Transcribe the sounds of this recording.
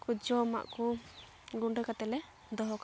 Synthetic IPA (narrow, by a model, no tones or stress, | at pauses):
kud͡ʒɔma̰ʔkɔ | ɡuɳɖəkat̪ɛlɛ | d̪ɔɦɔka